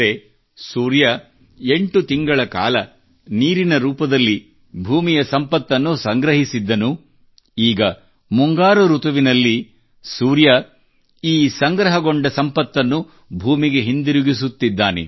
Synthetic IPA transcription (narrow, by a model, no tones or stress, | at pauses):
ɾe | suːɾjɐ | e̞ɳʈut̪iŋɡɐɭɐka̰ːlɐ | niːɾinɐɾuːpɐd̪ɐlːi | bʱuːmijɐsɐmpɐt̪ːɐnːusɐŋɡɾɐɦisid̪ːɐnu | iːɡɐ | muŋɡaːɾuɾut̪ɐʋinɐlːi | suːɾjɐ | iːsɐŋɡɾɐɦɐɡoɳɖɐsɐmpɐt̪ːɐnːu | bʱuːmiɡe̞ɦind̪iɾuɡisut̪ːid̪ːaːnḛ